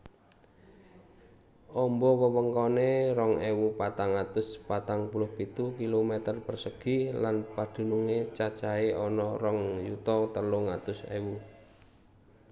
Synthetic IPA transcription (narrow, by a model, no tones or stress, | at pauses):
ʔɔmbɔwəwəŋkɔnerɔŋewupat̪aŋat̪ʊspat̪aŋpulʊhpit̪ukilomet̪ərb̥ərsəɡ̥i̤lanpad̪̥ṳnuŋet͡ʃat͡ʃaeɔnɔrɔŋjut̪ɔt̪əlʊŋat̪ʊsḛwu